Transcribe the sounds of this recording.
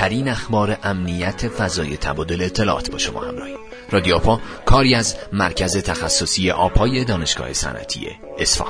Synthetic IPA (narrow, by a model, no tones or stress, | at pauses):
æɾiːnæxbɒːɾe̞ʔæmnijæt̪ʰe̞fæzɒːje̞t̪ʰæ̰bɒːd̪o̞leːt̪ʰːe̞lɒ̰ːʔɒ̰ːt̪bɒ̰ːʃo̞mɒ̰ːhæmrɒ̰ːhim | rɒːd̪ijoːpʰɒː | kʰɒːɾiːæzmæɾcʰæze̞t̪ʰæxæsːosiːeʔɒːbhɒːje̞d̪ɒːne̞ʃɡ̥ɒ̰ːhe̞sæ̰nʔæ̰t̪ʰḭjḛː | sfɒ̰ː